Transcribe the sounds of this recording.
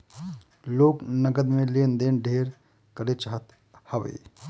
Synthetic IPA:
loːɡnəɡəd̪mẽleːnd̪eːnɖʱeːɾ | kəɾet͡ʃaːɦət̪ | hɐʋə̰ḭ

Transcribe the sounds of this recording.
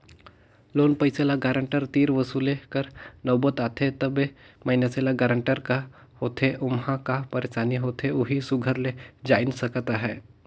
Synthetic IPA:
loːnpəɪselaɡaːɾə̃ɳʈəɾt̪iːɾʋəsuːlekəɾnɐːbət̪aːt̪ʰet̪əbemɐɪnaselaɡaɾə̃ɳʈəɾka | hoːt̪ʰeʔʊmɦãkapəɾeːʃaːniɦoːt̪ʰeʊɦisʊɡʱəɾled͡ʒaːɪnsəkt̪aɦɛː

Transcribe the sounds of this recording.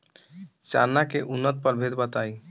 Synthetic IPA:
t͡ʃa̰nːakeʔunːət̪̚pəɾbʱet̪bət̪ai

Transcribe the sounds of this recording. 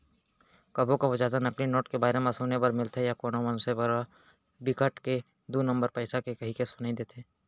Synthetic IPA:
kɐbõkobozjaːd̪anɐklinoːʈkebaːɾemãsoːnepɐɾmɪlt̪ʰejakoːnõmɐ̃nʊsepɐɾ | bɪkəʈke | d̪uːnə̃mbəɾpəːsakekɐɦikesʊnaid̪eːt̪ʰeː

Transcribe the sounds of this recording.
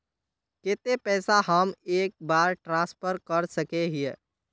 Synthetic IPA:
ket̪epɛːsaɦəmeːk̚baːɾʈɾãːspʰəɾkəɾsəkeɦie

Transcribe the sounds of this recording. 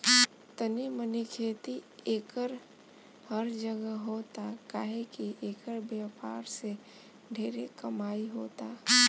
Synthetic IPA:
t̪ənimənikʰeːt̪ieːkəɾ | pʰəɾd͡ʒəɡəɦoːt̪akaːɦekiʔeːkəɾbjəpaːɾse | ɖʱeːɾekəmaːiɦoːt̪a

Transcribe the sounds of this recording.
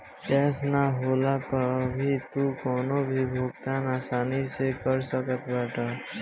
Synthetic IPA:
kɛːsnaɦoːlapɐbʱit̪ukɔːnobʱibʱoːɡ̚t̪aːnaːsaːnisekəɾsəkət̪ʰbɛːʈʰaː

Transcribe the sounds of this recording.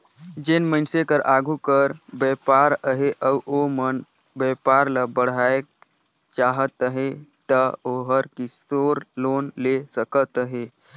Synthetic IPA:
d͡ʒenmənsekəɾʔaɡʱukəɾbəpaɾəɦeʔəwʔomən | bəpaɾləbəɽ̤ajk | t͡ʃaɦət̪əɦet̪əoɦəɾkisoɾlonlesəkət̪əɦe

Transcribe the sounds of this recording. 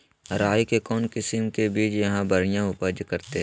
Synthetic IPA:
ɾaːjkekɔːnkɪsɪmkebiːt͡ʃjɐɦãbɐɾijãʊpəd͡ʒkɐɾt̪eɦ

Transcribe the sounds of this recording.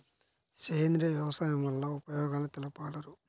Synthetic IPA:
seːnd̪ɾɐʋjɐʋɐsaːjɐmʋɐlːɐupɐjɔːɡaːlɐt̪ɛlɐpaːlɐɾu

